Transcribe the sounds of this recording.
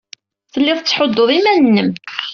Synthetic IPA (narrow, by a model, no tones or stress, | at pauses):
θəlːɪðˤət͡sːħod̪ːoðˤimænənːəm